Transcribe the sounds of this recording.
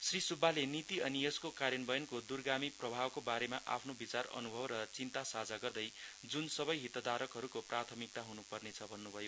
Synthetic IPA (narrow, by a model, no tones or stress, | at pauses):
srisubːalenit̪iʌnijʌskokaɾjʌnbʌjʌnkod̪urɡamiprʌbʱawkobaɾemaʔa̰pʰnobit͡sarʌ̰nubʱʌbrʌt͡sint̪asad͡zaɡʌrd̪ʌj | d͡zunsʌbʌjɦit̪ʌd̪aɾʌkɦʌɾukoprat̪ʰʌmik̚t̪aɦunupʌrnet͡sʰʌbʱʌnːubʱʌjo